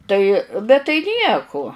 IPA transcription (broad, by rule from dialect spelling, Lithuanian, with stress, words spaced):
ˈtɐɪ bʲɛt tɐɪ ˈnʲiɛkʊ